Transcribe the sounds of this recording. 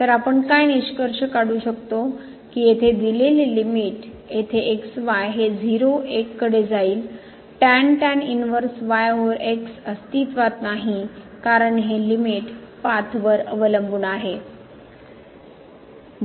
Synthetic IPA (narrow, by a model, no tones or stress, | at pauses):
t̪əɾapəɳkajniɕkəɾɕəkaɽuːɕəkt̪o | kiːjet̪ʰed̪ilelːimiʈ | jet̪ʰeʔeksʋajɦed͡ziɾoʔekːəɽed͡zaiːl | ʈænʈæninʋəɾsʋajʋəɾeksəst̪it̪ʋat̪naɦi | kaɾəɳɦelimiʈpat̪ʰʋəɾəʋələmbunaɦe